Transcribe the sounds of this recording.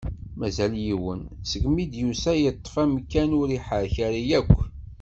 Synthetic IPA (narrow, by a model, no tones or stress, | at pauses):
mæzæljiwənsəɡmid̪jusæjət̪ˤːfæmkːænʊɾiħəɾçæɾijækʷː